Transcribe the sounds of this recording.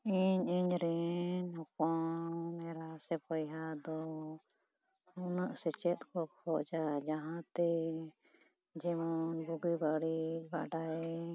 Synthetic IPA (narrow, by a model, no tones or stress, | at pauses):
iɲiɲɾɛnɦɔpɔmɛɾasɛpɔjɦad̪ɔ | unaʔsɛt͡ʃɛt̪̚kɔkʰɔʔd͡ʒad͡ʒaɦãt̪ɛ | d͡ʒɛmɔnbuɡibaɽiba̰ʔɖaɛ